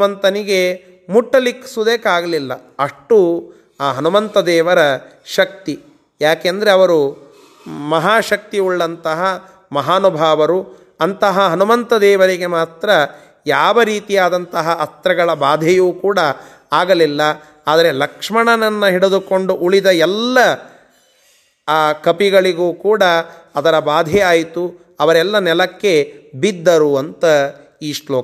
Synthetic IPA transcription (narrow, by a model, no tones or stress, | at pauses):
mɐnt̪ɐniɡe̞ | muʈːɐlikːsud̪eːkaːɡɐlilːɐɐʂʈu | aːɦɐnumɐnt̪ɐd̪ɛːʋɐɾɐ | ʃɐk̚t̪i | jaːkeɐnd̪ɐɾe̞ɐʋɐɾu | mɐɦaːʃɐk̚t̪iuɭːɐnt̪ɐɦɐ | mɐɦaːnubʱaːʋɐɾu | ɐnt̪ɐɦɐɦɐnumɐnt̪ɐd̪ɛːʋɐɾiɡe̞maːt̪ɾɐ | jaːʋɐɾiːt̪ijaːd̪ɐnt̪ɐɦɐʔɐst̪ɾɐɡɐɭɐbaːd̪ʱɛjuːkuːɽɐ | aːɡɐlilːɐ | aːd̪ɐɾe̞lɐkʂmɐɳɐnɐnːɐɦiɽed̪ukoɳɖuʔuɭid̪ɐɛlːɐ | kɐpiɡɐɭiɡuːkuːɽɐːd̪ɐɾɐbaːd̪ʱɛaːjt̪u | ɐʋɐɾɛlːɐnɛlɐkːe̞bid̪ːɐɾuɐnt̪ɐ | iːʂloː